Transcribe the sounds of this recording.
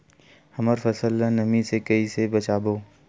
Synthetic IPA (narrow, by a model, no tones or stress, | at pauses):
hɐməɾfɐsəlːə̃nɐmĩsekɐisebɐt͡ʃaːboː